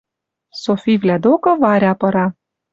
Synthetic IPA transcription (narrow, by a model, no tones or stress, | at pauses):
sofʲivlʲæd̪okɤ̆vɑɾʲɑpɤ̆ɾɑ